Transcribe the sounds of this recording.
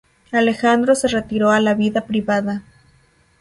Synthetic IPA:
alexand̪ɾo̞se̞re̞t̪iɾoalaβiðapɾiβaða

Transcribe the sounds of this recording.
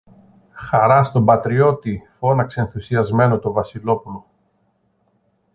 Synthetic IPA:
xɐɾɐst̪o̞mbɐt̪ɾio̞t̪ifo̞nɐkseenθusiɐzme̞no̞t̪o̞vɐsilo̞pulo̞

